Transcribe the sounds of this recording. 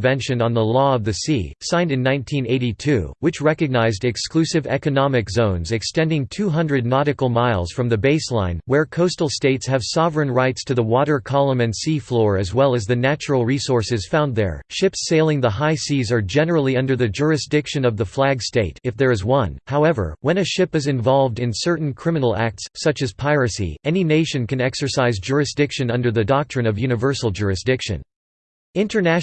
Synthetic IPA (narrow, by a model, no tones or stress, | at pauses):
vɛ̃nʃɨ̃nə̃nðəlɔʌvðɨsḭsãɪ̃ndɨ̃nːãɪ̃ntʰĩneɪɾitʰʉ̰wɨt͡ʃɹɛkɨɡ̚naɪzdɨksklʉsɨvɛ̰kɨnɑmɨkzõʊ̃nzɨkstɛ̃ndɪ̃ŋtʰʉɦʌ̃ndɹɨdⁿnɑɾɨkl̩ˠmaɪlˠz̥fɹʌ̃mðɨbeɪslã̰ɪ̃nwə˞kʰoʊstl̩ˠsteɪtshɨv̥sɑvɹɨ̃nɹaɪtstʰɨðəwɔɾə˞kʰɑlˠə̃mɨ̃ndsiflɔɹɨzwɛlˠɨzðɨnæt͡ʃɹl̩ˠɹisɔɹsɨz̥fãʊ̃nðə̰˞ʃɪpseɪlˠɪ̃ŋðəɦaɪsizə˞d͡ʒɛnə˞l̩ˠiʌ̃ndə˞ðɨd͡ʒʊɹɨsd̥ɪkʃɨ̃nʌvðəflæɡsteɪɾɨfðə˞ɨzwʌ̃nhaʊɛvə̰˞wɨ̃nɨʃɪpɨzɨ̃ɱvɑlˠvdɨ̃nsɜ˞ʔn̩kʰɹ̥ɪ̃mɨnl̩ˠæ̰k̚tsːʌt͡ʃɨz̥pʰaɪɹɨsḭɛnineɪʃɨ̃nkɨ̃nɛksə˞saɪzd͡ʒʊɹɨsd̥ɪkʃɨ̃nʌ̃ndə˞ðɨdɑk̚tʰɹ̥ɨ̃nʌvjʉnɨvɜ˞sl̩ˠd͡ʒʊɹɨsd̥ɪkʃɨ̰̃n | ɪ̃ntʰə˞næ